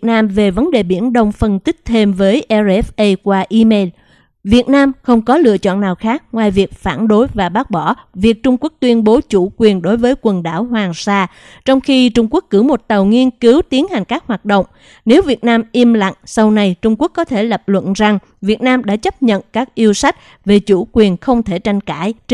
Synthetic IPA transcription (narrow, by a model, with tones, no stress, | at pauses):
naː˧mve˨˩və˨˦nɗe˨˩ɓi˧˩ənɗə˧wŋ͡mfə˧nt̪ï˦˥k̟̚t̪ʰe˧mvəː˨˦jʔɛ˧zɛ˦˥fʔə˧jkwaː˧ʔi˧me˧l | vi˨˩ət̚naː˧mxə˧wŋ͡mkɔ˨˦lɨ̰˧ət͡ɕɔ̰˧˨nːaː˨˩wxaː˦˥k̚ŋwaː˨jvi˨˩ək̚faː˧˩nɗo˨˦jvaː˨˩ɓaː˦˥k̚ɓɔ˧˩vi˨˩ək̚t͡ɕʊ˧ŋ͡mku˦˥ək̚t̪wi˧ənɓo˨˦t͡ɕu˧˩kwi˨˩ənɗo˨˦jvəː˨˦jkwə˨˩nɗa̰ː˧˩wɦwaː˨˩ŋsaː˧ | t͡ɕɔ˧wŋ͡mxi˧t͡ɕʊ˧ŋ͡mku˦˥əkːɨ˧˩mo˨˩t̚t̪ə˨˩wŋi˧ənki˨˦wt̪i˨˦ənha˨˩ŋ̟kaː˦˥k̚hwaː˨˩t̚ɗo̰˧˨wŋ͡m | ne˨˦wvi˨˩ət̚naː˧mʔi˧mla̰˧˨ŋ̟sa˧wna˧jt͡ɕʊ˧ŋ͡mku˦˥əkːɔ˨˦t̪ʰe˧˩lə˨˩p̚lwə̰˧˨nza˨˩ŋ | vi˨˩ət̚naː˧mɗa̰ː˧˥t͡ɕə˦˥p̚ɲə̰˧˨nkaː˦˥k̚ʔi˧əwsa˦˥jk̟̚ | ve˨˩t͡ɕu˧˩kwi˨˩ənxə˧wŋ͡mt̪ʰe˧˩t͡ɕa˧jŋ̟ka̰ː˧˩˨j